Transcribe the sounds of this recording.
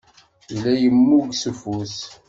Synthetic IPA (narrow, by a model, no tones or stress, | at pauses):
ilæjəmːuɡsufus